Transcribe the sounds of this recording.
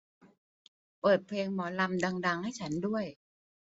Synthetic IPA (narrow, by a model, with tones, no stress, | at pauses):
pɤː˨˩t̪̚pʰleː˧ŋmɔː˩˦la˧mda˧ŋda˧ŋha˥˩jt͡ɕʰa˦˥ndu˥˩əj